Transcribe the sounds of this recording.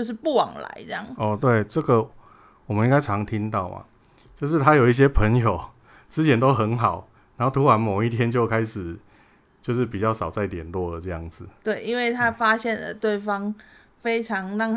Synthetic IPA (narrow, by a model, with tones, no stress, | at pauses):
o˥˧ʊʂ̬ɻ̩˥˩pu˥˩wɑ̰˨˩ŋla̰˨˧˦ɪt͡sŋɔ˥˧t̪we˥˩ɪʈ͡ʂə˥˩ɡə˨ | wɔ˨˩mə˨˦i˥ŋɡa˥ɪʈ͡ʂʰɑ˧˦ŋt̪ʰi˦˥nt̪ɑ˥˩ʊma̰˩ | t͡ɕjo˥˧ʊʂ̬ɻ̩˥˩t̪ʰa˥jo˨˩ʊi˥˩ɕ̬jɛ˥pʰə˧˥ŋjo˨˩ʊ | t͡sɹ̩˥t͡ɕʰjɛ˨˥nt̪o˦˥ʊxə˧˥nɦɑ˨˩˦ʊ | na˨˦nho˥˩ʊt̪ʰu˨˥wa˧˥nmɔ˨˩ʊi˥˩t̪ʰjɛ˥nt͡ɕjo˥˧ʊkʰa˥ɪʂɻ̩˨˩ | t͡ɕjo˥˧ʊʂɻ̩˥˩pi˨˩t͡ɕjɑ˥˩ʊsɑ˨˩ʊt͡sa˥˩ɪt̪jɛ˨˩nlwɔ˥˩də˨˩ʈ͡ʂɤ˥˧jɑ˥˩ŋd͡zɹ̩˨˩t̪we˥˩ɪʔi˦nwe˥˩ɪt̪ʰa˦˥fa˥ɕjɛ˥˨nlə̰˨˩t̪we˥˩ɪfɑ˦ŋ | fe˥ɪʈ͡ʂʰɑ˨˦ŋɻɑ˥˨ŋ